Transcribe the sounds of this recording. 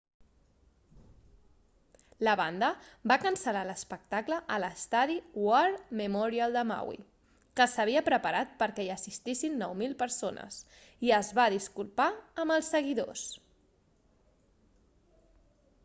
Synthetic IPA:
ləβand̪əbakənsəlaləspək̚t̪akləʔələst̪aðiwaɾməmɔɾialˠd̪əma̰wḭ | kəsəβ̞iəpɾəpəɾat̪̚pəɾkɛiəsist̪isinːɔwmilˠpəɾsonə̰s | iəzβaðiskulˠpaəməlˠsːəɣ̞iðo̰s

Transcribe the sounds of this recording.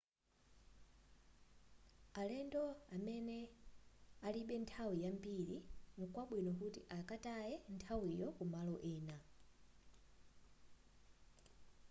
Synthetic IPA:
alɛndɔamɛnɛ | aliɓɛntʰawijambiɺinikwaɓwinɔkutiʔakatajɛntʰawijɔkumalɔʔɛːna

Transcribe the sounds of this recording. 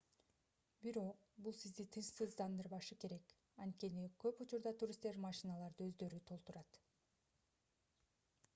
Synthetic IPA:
biɾo̞q | bulˠsizd̪it̪ʰɯnʃsɯzd̪ɑnd̪ɯɾβɑʃɯke̞ɾe̞k | ɑnt̪̚ke̞nikø̞put͡ʃuɾd̪ɑt̪uɾʲist̪e̞ɾmɑʃinɑlˠɑɾd̪ɯø̞zd̪ø̞ɾyt̪ʰo̞lˠt̪uɾɑt̪

